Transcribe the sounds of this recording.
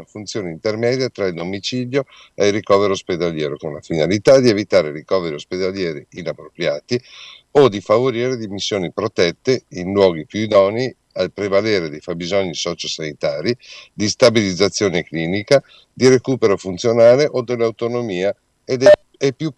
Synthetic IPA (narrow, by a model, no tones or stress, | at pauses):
nafunt̪sjoːneint̪ermɛːd̪jat̪ɾaild̪omit͡ʃid̪jo | eirikɔːveɾosped̪aljɛːɾokonla̰finalit̪ad̪ievit̪aːɾerikɔːveɾiosped̪aljɛːɾiinapːɾopɾjaːt̪iod̪ifavoɾiːɾed̪imisːjoːnipɾot̪ɛt̪ːeinlwɔːɡipjud̪ɔni | alpɾevaleːɾed̪ifabizoɲːisɔt͡ʃisanit̪aːɾid̪ist̪abilid̪zːat̪sːjoːnekliːnika | d̪iɾekuːpeɾofunt̪sjonaːleʔod̪elːawt̪onomiːa | ed̪e | epːju